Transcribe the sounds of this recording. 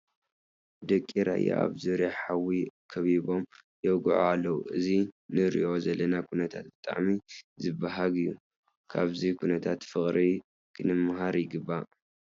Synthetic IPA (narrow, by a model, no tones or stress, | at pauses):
d̪ɐkʼːiɾa̰ja̰a̰βzuɾijaħawikʰɐβiβo̞m | jɛɡʕoalːɐwṵʔɨzinɨɾḭʔo̞zɐlɐnakʰunɐt̪ʰat̪̚bɨt̪ʼa̰ʕmizɨbaɦaɡɨjːu | kʰaβzikʰunɐt̪ʰat̪fɨχʼɾi | kʰɨnɨmːaɦaɾjɪɡɨbːa